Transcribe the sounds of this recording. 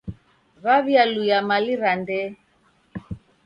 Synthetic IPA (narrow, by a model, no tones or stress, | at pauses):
βaβjalujamaliɾandɛ